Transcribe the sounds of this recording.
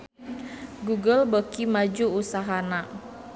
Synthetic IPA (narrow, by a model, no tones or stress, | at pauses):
ɡuɡəlbəkimad͡ʒuusaɦana